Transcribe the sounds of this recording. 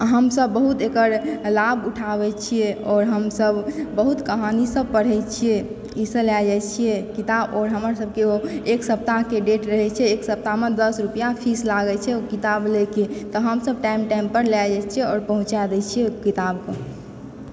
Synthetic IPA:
ɦəmsəbːəɦut̪ekəɾlabuʈʰabɛt͡ʃʰijeɔːɾɦəmsəbbəɦut̪kəɦanisəb̚pəɽ̤ɦɛt͡ʃʰije | isə̃lad͡ʒat͡ʃʰijekit̪abɔːɾɦəmɾsəb̚keoeksəp̚t̪akeɖeʈɾəɦɛt͡ʃʰɛːksəp̚t̪amed̪əsɾupijapʰislaɡɛt͡ʃʰɛokit̪ableket̪ɔɦəmsəb̚ʈaimʈaimpəɾlad͡ʒat͡ʃʰijeɔːɾpəɦũt͡ʃad̪ɛt͡ʃʰijekit̪abke

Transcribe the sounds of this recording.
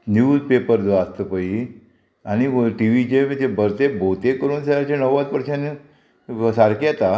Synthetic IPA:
njuːzpepəɾd͡zəast̪əpəi | añiʈiʋid͡ʑet̪ebəɾt̪ebʱot̪ekəɾuːnseat͡ɕenəʋʋat̪̚pəɾɕãni | saɾkjat̪a

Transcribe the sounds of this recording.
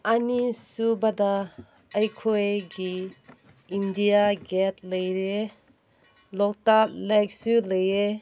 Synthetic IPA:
anisubada | əjkʰojɡiː | ndijaɡɛt̚ləjɾe | lɔk̚tap̚leksuləje

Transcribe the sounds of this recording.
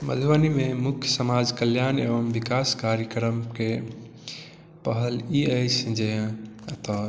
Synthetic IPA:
mə̰d̪ʱʋanimemukʰjəsəmad͡ʒkəljanḛʋəmbikaskaɾjəkɾəmke | pəɦəliəjt͡ʃʰd͡ʒẽt̪ɔ

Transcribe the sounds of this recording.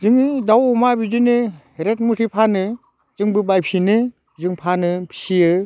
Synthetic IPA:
zɯŋdawɔmabid͡ʒinɯ | ɾet̚mutʰipʰanɯ | zɯŋbɯbajpʰinɯ | zɯŋpʰanɯbʰi̥sijɯ

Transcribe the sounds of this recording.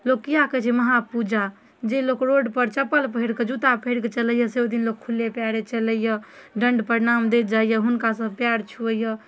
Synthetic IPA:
lok̚kːijaket͡ʃʰiməɦapud͡ʒa | d͡ʒelokɾoɖpəɾt͡ʃəpəlpəɦiɽked͡ʒut̪apʰeɽket͡ʃələjəsed̪inlok̚kʰulːepjaɾet͡ʃələjəɖəɳɖpəɾinamd̪ed͡ʒaijəɦunkasəbʱpjaɽt͡ʃʰuəjə

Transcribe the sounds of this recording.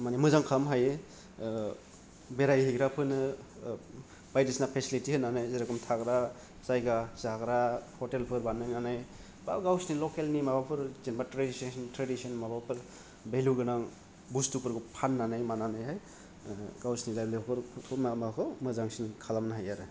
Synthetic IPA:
manimɯzaŋkʰamɦajɯ | beɾajɦiɡɾapʰɯnɯ | bajdisnapʰesilitihɯnanajzeɾakɔmtʰaɡɾa | zajɡazaɡɾahɔtelpʰɯɾbanːajnanaj | ba̰ɡawsnilɔkelnimabapʰɯɾzenbatɾedisntɾedisiɔnmabapʰɯɾ | beluɡɯnaŋ | bustupɯɾɡɯpʰanːanajmananajɦaj | ɡawsnizajlikʰɯɾʰtʰɔmamakʰɔmɯzaŋsinkʰalamnaɦajaɾɯ

